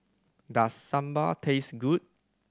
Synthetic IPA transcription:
dasːãmbə̰tʰesɡut̚

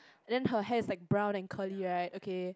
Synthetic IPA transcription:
ɛ̃ndɛ̃nɦəɦɛdɪslaɪk̚bɹãʊ̃nɛ̃nkʰəliɹaɪt̚okʰe

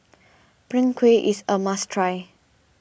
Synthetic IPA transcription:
pɹĩŋkʰweʔisəmastʰɹaj

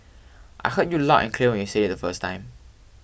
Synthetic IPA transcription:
ʔa̰ɪhət̚julɔ̰ʔɛ̰̃nkʰliəwɛ̃njuseɛt̚dəfəstʰã̰ɪ̃m

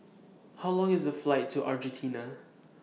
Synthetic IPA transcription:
haʊlɔ̃ŋɪzəflaɪtʰːuʔa̰ɹd͡ʒɛ̃ntʰĩnə

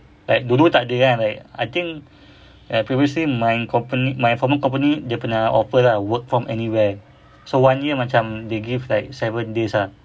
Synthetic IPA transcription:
lajk̚dulut̪aʔdəanlajka̰jt̪ĩŋk | apɹiviəslimãjnkʰɔ̃mpənimãj̃fɔməkɔ̃mpənidepənaɔ̰fəlawək̚fɹɔ̃mʔɛ̰niwɛ | sowãnjimat͡ʃãmdeɡivlajk̚sɛvə̃ndesa

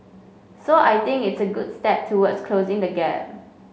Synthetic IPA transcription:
soajt̪ɪ̃ŋkɪtsəɡʊdstɛp̚tʰuwədskʰlozɪ̃ŋdəɡɛ̰p̚

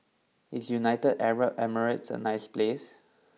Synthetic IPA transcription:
hisjunaɪtədɛɹəp̚ɛməɹɪtsə̰naɪsples

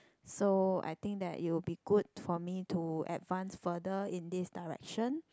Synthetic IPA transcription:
soa̰jt̪ɪ̃ŋk̚d̪ɛ̰ʔḭt̚wilbiɡud̚fɔmitʰuɛ̰tvãnsfədəĩndisdaɹɛ̰kʃə̃n

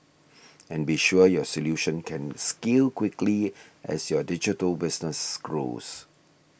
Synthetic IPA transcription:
ɛ̃nbiʃuəjɔsɔljuʃə̃nkʰɛ̃nskilkwɪkliʔɛ̰sjɔdɪd͡ʒitəlbɪsnəsɡɹo̰s

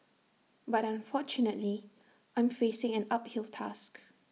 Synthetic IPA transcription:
batãnfɔt͡ʃunətli | ʔãj̃mfesɪ̃ŋɛ̃naphilˠtʰa̰sk

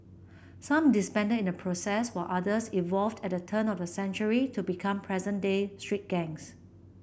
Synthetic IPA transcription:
sãmdispɛ̃ndəĩnəpʰɹosɛswaʔadəsivɔlvdɛt̚dətʰə̃nɔfdəsɛ̃nt͡ʃuɹitʰubikʰãmpʰɹɛzə̃ndestɹ̥it̚ɡ̥ɛ̃ŋs

